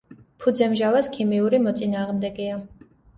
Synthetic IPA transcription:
pʰud̪zɛmʒavaskʰimiuɾimɔt̪sʼinaːʁmd̪ɛɡia

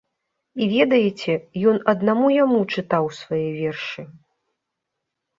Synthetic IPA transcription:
ivʲɛd̪ɐjɛt͡sʲɛjɔnɐd̪namujamut͡ʂɨt̪awsvajɛvʲɛrʂɨ

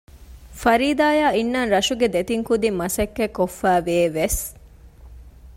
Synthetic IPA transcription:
fɐɾiːd̪aːjaːinːanɾɐʃuɡed̪et̪iŋkud̪imːɐsɐkːekːofːæːʋeːʋes

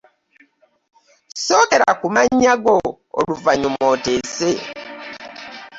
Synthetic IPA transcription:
so̞ːkeɾa̰kumaɲːaɡo | o̰luvaɲumoːtese

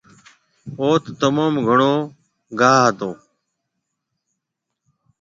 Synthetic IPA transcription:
oːt̪t̪əmaːmɡʱəɳoː | ɡaːət̪õː

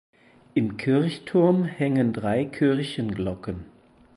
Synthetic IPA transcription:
ʔɪmkʰɪɐçtʰʊɐmhɛŋəndʁaɪkʰɪɐçənɡlɔkən

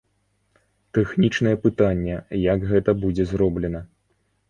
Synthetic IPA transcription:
t̪ɛxnʲit͡ʂnɐjɛpɨt̪anʲːɛjakɣɛt̪ɐbud͡zʲɛzrɔblʲɛnɐ

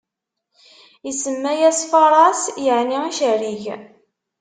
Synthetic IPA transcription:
jəsəmːæjæsfɑɾˤɑsjəʕniiʃəɾiʝ

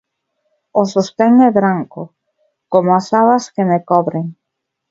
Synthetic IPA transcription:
osost̪ɛŋɛβɾaŋkʊ̰ | komoasaβɐskemekɔβɾeŋ

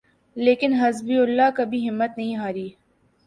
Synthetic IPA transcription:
leːkɪnɦɐzbiʊlːakɐbʱiɦɪmːət̪nɐɦĩɦaːɾiː

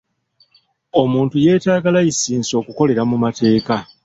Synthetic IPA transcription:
o̞muːntuje̞ːtaːɡalajisiːnso̞ːkuko̞le̞ɾamumate̞ːka

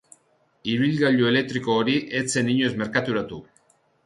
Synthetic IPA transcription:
iβilɣaʎue̞le̞k̚t̪ɾiko̞ːɾiʔe̞t͡se̞niɲozme̞ɾkat̪uɾat̪u

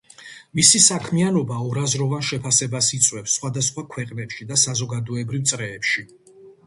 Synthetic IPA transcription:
misisakʰmianɔbaɔɾazɾɔvanʃɛpʰasɛbasit̪sʼwɛfsːχwad̪asχwakʰwɛqʼnɛpʃid̪asazɔɡad̪ɔɛbɾivt̪sʼɾɛːpʃi

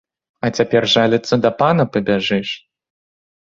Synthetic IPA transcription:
ɐt͡sʲapʲɛrʐalʲɨt̪sːɐd̪ɐpanɐpɐbʲaʐɨʂ

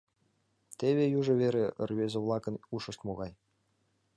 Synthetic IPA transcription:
t̪ʲeβʲejuʐɤ̆βʲeɾʲeərβezʲĕvlˠɑkɤ̆nuʃɤ̆ʃt̪moɣɑj

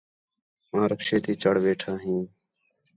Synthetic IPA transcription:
ãːɾəkʃeːt̪iːt͡ʃəɽʋeːʈʰaːɦĩː

